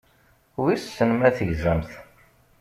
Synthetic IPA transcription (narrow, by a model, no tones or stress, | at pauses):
wiɾssənmæθəʝzæmθ